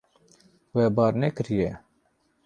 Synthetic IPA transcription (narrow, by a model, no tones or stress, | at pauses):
ʋeːbaːɾneːkɾijeː